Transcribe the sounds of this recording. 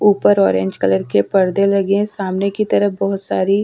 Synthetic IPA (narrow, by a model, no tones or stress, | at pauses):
uːpəɾɔːɾẽɲd͡ʒkɐləɾkepɐɾd̪elɐɡẽsaːmnekit̪ɐɾəɦbɔɦʊt̪saːɾi